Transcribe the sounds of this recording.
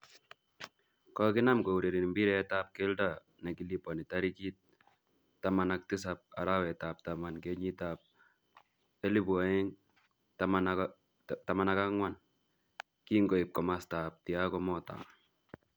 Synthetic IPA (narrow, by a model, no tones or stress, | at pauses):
kɔkɪnamkouɾiɾinmbiɾɛɛtap̚kɛlda | nakilipɔnitaɾikit̪̚ː | amanak̚tɪs̬ap̚a̰ɾawɛtap̚t̪amankeɲitap̚ | ɛlibwaɪŋ | tam | tamanakaŋwan | kiŋɡoip̚kɔmastap̚tiakɔmɔta̰